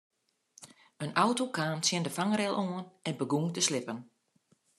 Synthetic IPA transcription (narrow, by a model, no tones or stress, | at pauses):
ənawtokaːnsjɪndəfaŋrɛlˠʔoənɛnbəɡuŋtəslɪpən